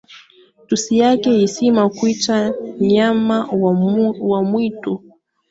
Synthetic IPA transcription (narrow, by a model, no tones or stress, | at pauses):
tusijakɛisimakwit͡ʃaɲama | wamwitu